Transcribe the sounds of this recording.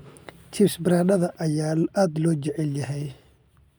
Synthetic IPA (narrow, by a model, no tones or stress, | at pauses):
t͡ʃʰisbɪɾaːnɐðɐʔɐjaːlʔaːd̪lɔːt͡ʃɛʕɛljɐɦɛj